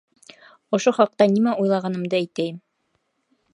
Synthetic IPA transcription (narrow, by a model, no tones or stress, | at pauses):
ŏʃoχɑq̚t̪ɑnimæujlˠɑʁɑnɤ̆md̪ɤæjt̪æjɘm